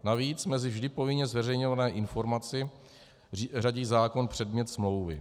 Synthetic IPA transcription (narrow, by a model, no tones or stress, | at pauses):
naviːt͡smɛzɪvʒdɪpo̞vɪɲɛzvɛrɛjɲovanɛːʔɪnfo̞ɾmat͡sɪ | raɟiːzaːko̞npr̥ɛdmɲɛt̪smlo̞wvɪ̰